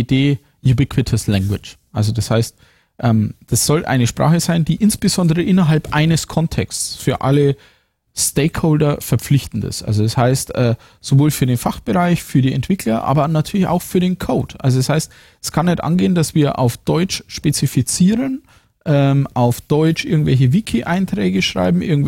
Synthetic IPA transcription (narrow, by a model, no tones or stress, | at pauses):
deː | jubɪkʰwɪtʰəslɛŋɡwɪt͡ʃʔalzodashaɪst | ʔɛːmd̥asz̥ɔlʔa̰ɪnəʃpʁ̥a̰ːχəzaɪndiːʔɪnsb̥əzɔndəʁəʔɪnɐɦalpʔaɪnəskʰɔntʰɛ̰ksfyːɐʔa̰lə | steɪkhoʊldɐfɛɐp͡flɪçtn̩tɪ̰sʔa̰lzodashaɪstʔɛː | z̥ovoːlfyːɐdeːnfaχb̥əʁaɪçfyːɐɾiːɛ̰ntv̥ɪkʰlɐʔa̰ːbɐnatʰyːɐlɪça̰ʊxfyːɐɾeːnkʰoʊtʔa̰lzodashaɪst | ɛskʰanːɛtʔa̰nɡeːəndasv̥iːɐʔa̰ʊfd̥ɔʏt͡ʃʃpet͡sifit͡siːʁən | ʔɛːmʔaʊfd̥ɔʏt͡ʃʔɪɐɡŋ̩tvɛlçəvikʰiʔaɪntʁ̥ɛːɡəʃʁ̥a̰ɪbm̩ʔɪ̰ɐɡŋ̩t